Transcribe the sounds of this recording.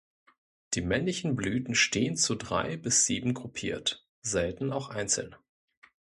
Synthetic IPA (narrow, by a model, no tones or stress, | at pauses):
d̥iːmɛnlɪçn̩blyːtn̩ʃtʰeːənt͡sudʁa̰ɪbɪsz̥iːbm̩ɡʁʊpʰiːɐt | z̥ɛltn̩aʊxʔaɪnt͡sl̩n